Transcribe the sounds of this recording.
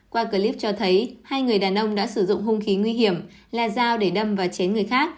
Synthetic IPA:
kwaː˧kəː˧li˦˥p̚t͡ɕɔ˧t̪ʰə˨˦jhaː˧jŋɨ˨˩əjɗaː˨˩nʔə˧wŋ͡mɗa̰ː˧˥sɨ˧˩zʊ̰˧˨ŋ͡mɦʊ˧ŋ͡mxi˨˦ŋwi˧ɦi˧˩əm | laː˨˩zaː˧wɗe˧˩ɗə˧mvaː˨˩t͡ɕɛ˨˦nŋɨ˨˩əjxaː˦˥k̚

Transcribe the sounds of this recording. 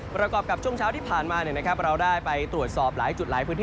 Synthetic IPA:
pɾa˧kɔː˨˩p̚ka˨˩p̚t͡ɕʰu˥˩əŋt͡ɕʰaː˦˥t̪ʰiː˥˩pʰaː˨˩nmaː˧ni˨˩əna˦˥kʰa˦˥p̚ɾa˧wdaː˥˩jpa˧jt̪ɾu˨˩ət̪̚sɔː˨˩p̚laː˨˩˦jt͡ɕu˨˩t̪̚laː˩˦jpʰɯː˦˥nʰː˥˩

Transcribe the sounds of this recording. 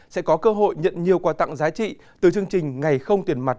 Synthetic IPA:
sɛ̰˧˥kɔ˨˦kəː˧ɦo̰˧˨jɲə̰˧˨nɲi˨˩əwkwaː˨˩t̪a̰˧˨ŋzaː˨˦t͡ɕḭ˧˨ | t̪ɨ˨˩t͡ɕɨ˧əŋt͡ɕï˨˩ŋ̟ŋa˨˩jxə˧wŋ͡mt̪i˨˩ənma˨˩t̚

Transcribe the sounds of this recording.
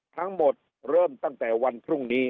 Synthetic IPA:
t̪ʰa˦˥ŋmo˨˩t̪̚ | ɾɤː˥˩mt̪a˥˩ŋt̪ɛː˨˩wa˧npʰɾu˥˩ŋniː˦˥

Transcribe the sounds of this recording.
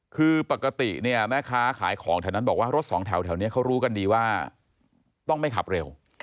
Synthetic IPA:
kʰɯː˧pa˨˩kːa˧t̪i˨˩ni˥˩ɐmɛː˥˩kʰaː˦˥kʰa̰ː˨˩˦jkʰɔː˩˦ŋt̪ʰɛ˧˩na˥˩bɔː˨˩k̚waː˥˩ɾo˦˥t̪̚sɔː˩˦ŋt̪ʰɛ˩˦wt̪ʰɛ˩˦wni˦˥ɐkʰa˦˥wɾuː˦˥ka˧ndiː˧waː˥˩ | t̪ɔ˥˩ŋma˥˩jkʰa̰˨˩p̚ɾe˧w

